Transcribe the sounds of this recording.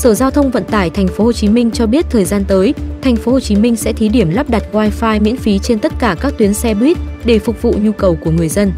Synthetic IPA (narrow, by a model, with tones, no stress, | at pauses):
səː˧˩zaː˧wt̪ʰə˧wŋ͡mvə̰˧˨nt̪aː˧˩jt̪ʰa˨˩jŋ̟fo˨˦ho˨˩t͡ɕi˨˦mï˧ŋ̟t͡ɕɔ˧ɓi˦˥ət̚t̪ʰəː˨˩jzaː˧nt̪əː˨˦jt̪ʰa˨˩jŋ̟fo˨˦ho˨˩t͡ɕi˨˦mï˧ŋ̟sɛ̰˧˥t̪ʰi˨˦ɗi˧˩əmla˦˥p̚ɗa˨˩t̚waː˧jfaː˧jmḭ˧˥ənfi˨˦t͡ɕe˧nt̪ə˦˥t̚kaː˧˩kaː˦˥k̚t̪wi˨˦ənsɛ˧ɓi˦˥t̚ɗe˧˩fʊ˨˩k͡p̚vṵ˧˨ɲu˧kə˨˩wku˧˩əŋɨ˨˩əjzə˧n